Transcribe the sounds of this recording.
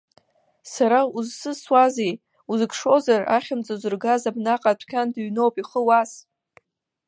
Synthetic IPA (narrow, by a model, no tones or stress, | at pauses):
saɾauzsɨswazej | uzɨkʰʂo̞zara̰χʲɪnt͡sʼazʷɨrɡazabnaqʼatʷʰkʲʰandɥno̞wpʼiχəwas